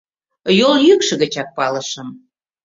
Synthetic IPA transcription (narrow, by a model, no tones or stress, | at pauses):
joljykʃə̆ɣə̆t͡ɕɑk̚pɑlə̆ʃə̆m